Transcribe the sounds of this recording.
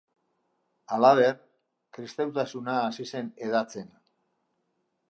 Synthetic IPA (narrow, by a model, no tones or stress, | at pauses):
alaβe̞r | kɾist̪awt̪asunaːsise̞neðat͡se̞n